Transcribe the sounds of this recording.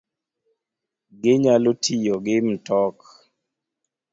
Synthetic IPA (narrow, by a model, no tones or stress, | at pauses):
ɡɪɲalotʰijoɡɪm̩tɔk